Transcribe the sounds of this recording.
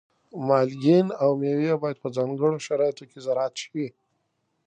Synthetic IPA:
mɑlɡinawmewjabɑjad̪̚pəd͡zɑŋɡəɽoʃaɾɑjat̪okezaɾɑːt̪ʃwi

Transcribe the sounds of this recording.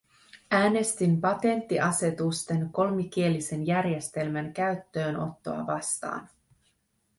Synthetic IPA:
æːne̞st̪impɑt̪e̞nt̪ːiʔɑse̞t̪ust̪e̞nko̞lmik̟ie̞lise̞njærje̞st̪e̞lmænkæɥt̪ːø̞ːno̞̰t̪ːo̞̰ɑ̰ʋɑst̪ɑ̰ːn

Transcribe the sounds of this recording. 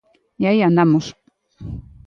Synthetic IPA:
jajanamos

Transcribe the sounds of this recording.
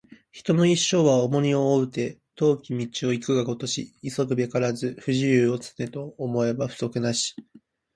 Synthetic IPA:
çi̥t̪o̞no̞iɕːo̞ːβao̞mo̞ɲ̟io̞ːɯ̟t̪e̞t̪o̞ːkʲimʲit͡ɕio̞ikɯ̟ɡaɡo̞t̪o̞ɕḭiso̞kɯ̟be̞kaɾazɨɸɯ̟ʑiɾɯːo̞t͡sɨ̥ne̞t̪o̞ːmo̞e̞baɸɯ̟̥so̞kɯ̟naɕi̥

